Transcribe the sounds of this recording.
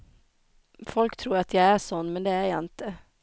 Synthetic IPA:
fɔlkt̪ʰɾuːɾat̪jaɪæʂɔnːmɛnd̪ɛæɾjɑɪnt̪ə

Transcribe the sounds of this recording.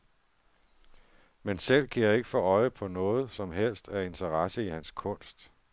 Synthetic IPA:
mensel̰kʰæjɑ̈e̝ɡ̥əfɒ̽ɒ̽ɪəpʰɒ̽nɔ̽ːð̞̩ˠsɒ̽mɦel̰sd̥æe̝nt͡sʰəʁɑsəihænskʰɔ̽n̰sd̥

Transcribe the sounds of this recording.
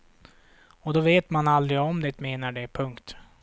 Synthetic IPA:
ɔd̪ɔveːt̪manald̪ɾɪɡɔmd̪ɛt̪meːnaɖɛpʰɵŋkt̪

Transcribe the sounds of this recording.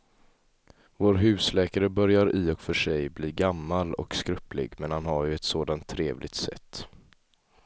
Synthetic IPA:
voːɾɦʉ̟ːslɛːkaɾəbœɾjaɾɪɔkfœʂɛjbliːɡamːalɔ̰kskɾɵplɪ̰ɡmɛnhanhaɾjɵɛt̪soːd̪ant̪ʰːɾeːvlʔɪɡ̚t̪sɛ̰t̪ː

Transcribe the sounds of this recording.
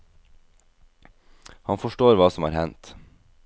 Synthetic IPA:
hɑnfɔʃʈoːɾʋɑːsɔmhɑ̰ːɾhɛnt̪

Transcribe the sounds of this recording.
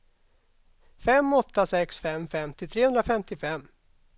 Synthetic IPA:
fɛmːɔt̪ːasɛksfɛmfɛmt̪ʰɪlt̪ʰɾeːɵnd̪ɾafɛmt̪ɪfɛmː

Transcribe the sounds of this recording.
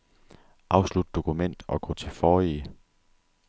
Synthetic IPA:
ʔɑ̈ʊslud̥d̥o̝kʰumen̰d̥ɒ̽ɡ̥ɒ̰̽ːt͡sʰe̝fɒːi

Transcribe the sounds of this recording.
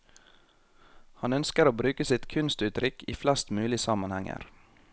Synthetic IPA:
hɑnœnskəɾoːbɾʉːkəsɪt̪kʰʉnst̪ʉːt̪ɾʏkiːflɛst̪mʉːlɪəsɑmɑnhæŋə̰ɾ

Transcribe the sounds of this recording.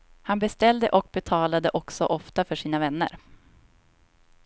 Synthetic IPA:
hanbɛst̪ɛld̪əʔɔk̚bɛt̪ʰɑːlad̪əʔɔksɔʔɔft̪afœʂiːnavɛnːə̰ɾ

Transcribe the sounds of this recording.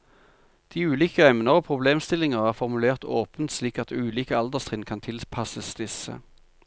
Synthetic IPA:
d̪̥iːʉːliːkəɛmnəʁoːpʰʁʊbleːmst̪ɪlɪŋəʁæːʁfɔʁmʉleːʁt̪ʰoːpənt̪sliːkɑt̪ʉːliːkəɑld̪əʁst̪ʁiːnkʰɑnt̪ʰɪlpʰɑsəsd̪ɪsə̰

